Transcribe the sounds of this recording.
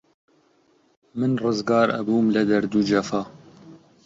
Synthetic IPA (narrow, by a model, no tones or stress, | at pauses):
mɨnrɨzɡɑːɾʔɐ̰buːmlɨd̪ɐɾd̪ud͡ʒɐfɑː